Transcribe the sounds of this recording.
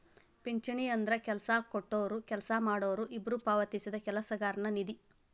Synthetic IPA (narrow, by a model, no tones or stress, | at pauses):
piɲt͡ʃɐɳiɐnd̪ɾɐkɛlɐsakoʈːoːʋɾukɛlɐsɐmaːɽoːɾuʔibɾupaːʋɐt̪isid̪ɐkɛlɐsɐɡaːɾɐnɐnid̪i